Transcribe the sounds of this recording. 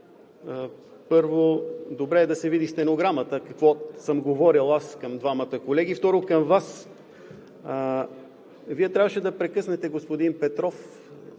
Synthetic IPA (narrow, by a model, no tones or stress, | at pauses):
pɤɾvod̪obɾɛːd̪ɐsɛvid̪ist̪ɛnoɡɾamət̪əkɐkvɔsəmɡovɔɾilˠaskɐmd̪vamət̪əkolɛɡ̟ift̪ɔɾokɐmvas | viɛt̪ɾʲavəʃɛd̪ɐpɾɛkɤsnɛt̪ɛɡospod̪inpɛt̪ɾɔf